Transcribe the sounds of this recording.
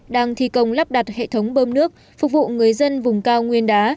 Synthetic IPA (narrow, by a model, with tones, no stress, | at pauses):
ɗaː˧ŋt̪ʰi˨˩kə˨˩wŋ͡mla˦˥p̚ɗa˨˩t̚hḛ˧˨t̪ʰə˨˦wŋ͡mɓəː˧mnɨ˦˥ək̚ | fʊ˨˩k̚vṵ˧˨ŋɨ˨˩əjzə˧nvʊ˨˩ŋ͡mkaː˧wŋwi˧ənɗaː˨˦